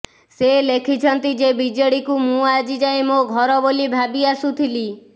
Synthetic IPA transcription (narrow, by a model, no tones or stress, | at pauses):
selekʰit͡ʃʰɔnt̪id͡ʒebid͡ʒɔɽikumũad͡ʒid͡ʒaemoɡʱɔɾɔbolibʱabiasut̪ʰili